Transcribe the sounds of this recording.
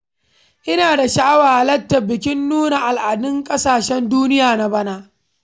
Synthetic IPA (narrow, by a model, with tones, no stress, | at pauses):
ʔɪ˦naː˨da˨ʃaː˦waː˨hlɐ˦tːɐ˨bɪ˨kʲɪ˦nːuː˦na˨ʔa˨lʔaː˨dʊ˦ŋkʼɐ˦saː˨ʃɛ˦nduː˦nɪ˦jaː˨na˨ba˦naː˦ʔ